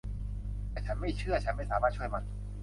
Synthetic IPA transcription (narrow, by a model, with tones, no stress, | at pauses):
t̪ɛː˨˩t͡ɕʰa˦˥nma˥˩jt͡ɕʰɯ˥˩ɐt͡ɕʰa˦˥nma˥˩jsaː˨˦maː˥˩t̪̚t͡ɕʰːjma˧˩